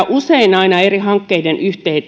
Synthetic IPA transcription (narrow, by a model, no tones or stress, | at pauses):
ʔuseinɑinɑeriɦɑŋkːeidenʔyht̪ei